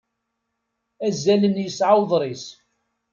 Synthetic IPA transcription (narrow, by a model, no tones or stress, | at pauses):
æzːælənjəsʕawðˤɾˤis